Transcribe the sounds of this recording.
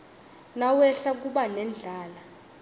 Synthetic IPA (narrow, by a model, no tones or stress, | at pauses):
nawɛɬak̬uɓanɛnd͡ɮʱaːla